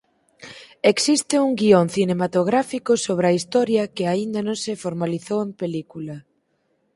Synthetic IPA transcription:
eksist̪ɪuŋɡioŋθinemat̪oɣɾafikʊsoβ̞ɾɐist̪ɔɾjɐkɪaind̪ɐnõŋsɪfoɾmaliθowempelikulɐ

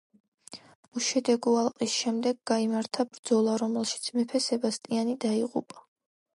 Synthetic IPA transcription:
uʃɛd̪ɛɡualˠqʼisʃɛmd̪ɛɡːaimaɾt̪ʰabɾd̪zɔlˠaɾɔmɛlˠʃi̥t̪sʰmɛpʰɛsɛbast̪ʼianid̪aiʁṵpʼa

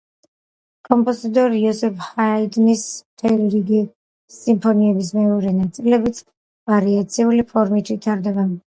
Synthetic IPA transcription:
kʼɔmpʼɔzit̪ʼɔɾiɔsɛphaid̪nismt̪ʰɛliɾiɡiː | impʰɔniɛbismɛɔɾɛnat̪sʼilɛbit̪sʰ | vaɾiat̪sʰiulipʰɔɾmit̪ʰvit̪ʰaɾd̪ɛba

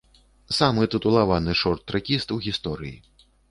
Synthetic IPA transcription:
samɨt̪ɨt̪ulˠavanɨʂɔrt̪ːɾakʲist̪uɣʲist̪ɔɾɨjḭ

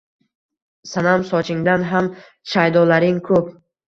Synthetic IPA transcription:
sanamsɒt͡ʃʰɪŋd̪anɦam | ʃajd̪ɒlaɾɪŋkʰɵp̚

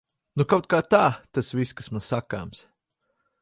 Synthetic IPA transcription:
nukawt̪̚kaːt̪aːt̪asviskḁsmanssakaːms

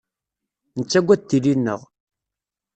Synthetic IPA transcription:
nət͡sːæɡʷːæt̪ːilinːəʁ

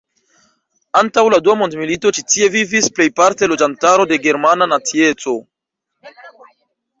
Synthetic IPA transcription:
antawladuamo̞ndmilito̞t͡ʃitie̞vivisple̞jpaɾte̞lo̞d͡ʒantaɾo̞de̞ɡe̞ɾmananat͡sie̞t͡so̞

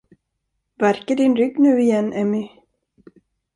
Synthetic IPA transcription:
væɾkəɖɪnɾʏɡːnʉ̟ːɪjɛnːʔɛmɪ

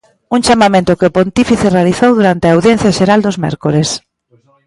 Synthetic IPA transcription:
uŋt͡ʃamamẽnt̪ʊkɪʊpont̪ifiθɪrealiθowðuɾant̪eaawðjen̟θjaʃeɾald̪ozmɛ̰ɾkoɾes

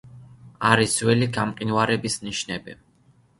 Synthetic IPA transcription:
aɾizwɛliɡamqʼinwaɾɛbisniʃnɛbi

